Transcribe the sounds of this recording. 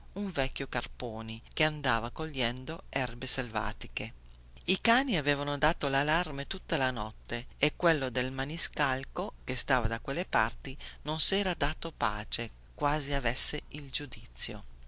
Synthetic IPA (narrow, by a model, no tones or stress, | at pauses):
uɱvɛkʲːjokarpoːnikeand̪aːvakolʎːɛnd̪oɛrbeselva̰ːt̪ike | ikaːniaveːvanod̪aːt̪olalarmet̪ut̪ːalanɔt̪ːeekwelːod̪elmaniskalkokest̪aːvad̪akwelːepart̪inonsɛːɾad̪aːt̪opa̰ːt͡ʃe | kwaːziavɛsːeild͡ʒud̪it̪sːjo̰